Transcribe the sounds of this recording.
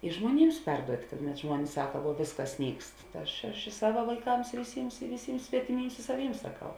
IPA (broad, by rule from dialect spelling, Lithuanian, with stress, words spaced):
ɪ ʒmuɔˈnʲiːms ˈpʲɛrduɔtʲ kɐt nʲɛt ˈʒmuɔnʲɪs ˈsɑːkɐ ʋuɔ ˈʋʲeːsˌkɐs ˈnʲiːkst tɐ ˈɐʃ ɐʃ ɪ ˈsɑːʋɐ ʋɐɪˈkɐms ɪ ʋʲɪˈsʲiːms ɪ ʋʲɪˈsʲiːms sʲʋʲɛtʲɪˈmʲiːms ɪ sɐ ˈʋʲiːms sɐˈkɐʊ